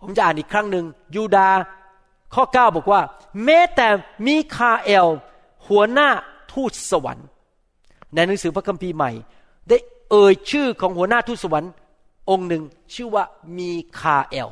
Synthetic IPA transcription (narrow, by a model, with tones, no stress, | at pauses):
pʰo˩˦mt͡ɕa˧ʔaː˨˩nʔiː˨˩kʰɾa˥˩ŋnɯ˧ŋjuː˧daː˧ | kʰɔː˥˩kaː˥˩wbɔː˨˩k̚waː˥˩ | mɛː˦˥t̪ɛː˨˩miː˧kʰaː˧ʔe˧˩w | hu˨˩˦ɐnaː˥˩t̪ʰuː˥˩t̪̚sa˧wa̰˨˩˦n | na˧jna˨˦ŋsɯː˩˦pʰɾa˦˥kʰa˧mpʰiː˧ma̰˨˩j | da˥˩j | ʔɤː˧jt͡ɕʰɯː˥˩kʰɔː˩˦ŋhu˩˦ɐnaː˥˩t̪ʰuː˥˩t̪̚sa˧wa˩˦n | ʔo˧ŋnɯ˧ŋ | t͡ɕʰɯː˥˩waː˥˩miː˧kʰaː˧ʔe˧w